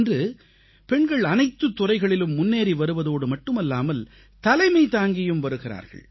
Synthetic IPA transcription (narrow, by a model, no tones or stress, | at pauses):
ndrɯ | pɛɳɡɐɭɐnɐɪt̪ːɯt̪ːʊrɐɪɣɐɭɪlɯmːʊnːeːɾiʋɐɾɯʋɐðoːɽɯmɐʈːɯmɐlːaːmɐl | t̪ɐlɐɪmɐɪt̪aːŋɡɪjɯmʋɐɾɯɣɪra̰ːɾɣɐ̰ɭ